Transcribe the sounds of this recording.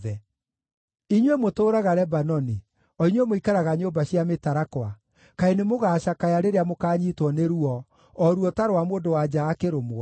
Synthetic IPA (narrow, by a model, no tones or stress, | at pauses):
ɛ | iɲwemotoːɾaɣaɾɛbanɔni | ɔiɲwemoikaɾaɣaɲobaɕjametaɾakwa | kaenemoɣaːɕakajaɾeɾeamokaːɲitwɔneɾuɔ | ɔɾuɔtaɾowamoːndowad͡ʑaːkeɾomo